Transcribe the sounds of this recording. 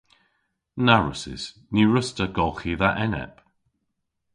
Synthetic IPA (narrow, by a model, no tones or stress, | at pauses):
naɹə̰sɪ̰s | niɹəstəɡɔlˠxiðaʔɛnɛ̰p